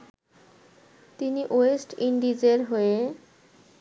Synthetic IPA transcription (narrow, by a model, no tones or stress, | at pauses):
t̪iniʔoesʈiɳɖid͡ʑeɾɦoe